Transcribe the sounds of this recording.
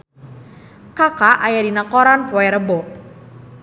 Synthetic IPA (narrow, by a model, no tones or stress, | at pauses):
kakaʔajadinakɔɾanpɔɛɾəbɔ